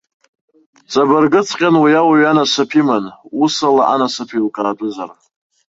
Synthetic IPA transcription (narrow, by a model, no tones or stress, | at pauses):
t͡sʼabarɡɨt͡sʰʼqʲʼanwijawaɥanasapʰimanusalaʔa̰nasapʰilkʼaːtʼɨzar